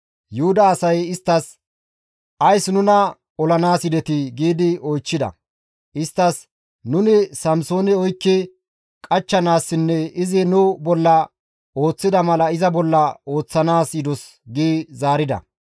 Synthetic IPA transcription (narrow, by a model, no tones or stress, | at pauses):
jʊhʊd̪ɐːsɐjɪst̪ːɐs | ʔɐjsnʊnɐ | ɔlɐnaːsɪd̪ɛt̪ɪɡiːd̪ɪɔjt͡ʃːɪd̪ɐ̰ | ʔɪst̪ːɐs | nʊnɪsɐmso̞ːnɛɔjkːɪ | kʼɐt͡ʃːɐnaːsːɪnːɛɪzɪnʊbɔlːɐ | o̞ːt͡sːɪd̪ɐmɐlɐɪzɐbɔlːɐo̞ːt͡sːɐnaːsjɪd̪ɔs | ɡiːzaːɾɪd̪ɐ̰